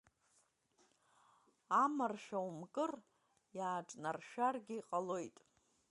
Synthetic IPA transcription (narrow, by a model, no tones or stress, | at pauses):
amarʃᶣaumkʼɨr | jaːʈ͡ʂʼnarʃᶣarɡʲiqʼalo̞jtʼ